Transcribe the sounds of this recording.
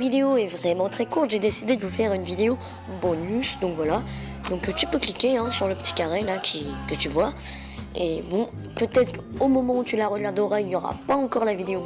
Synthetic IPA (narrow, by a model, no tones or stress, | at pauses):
vid̪eoɛvʁɛmɑ̃t̪χɛkuʁt̪ʒed̪esid̪ed̪əvufɛʁynvid̪eo | bɔnysd̪ɔ̃kvwala | d̪ɔ̃kt̪ypøklikʲeɛ̃syʁləpə̥t̪i̥kaʁɛlakʲʰikət̪yvwa | ebɔ̃ | pøt̪ɛt̪χomɔmɑ̃ut̪ylaʁəɡaʁd̪ɔʁailjɔʁa̰paɑ̃kɔʁlavid̪eo